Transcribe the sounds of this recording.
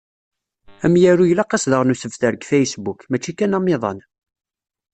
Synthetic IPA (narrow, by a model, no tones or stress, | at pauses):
æmjæɾujlæqɑsðəʁnusəfθəɾəɡfæjəsbukmæt͡ʃːikænɑmːɪðˤɑ̰n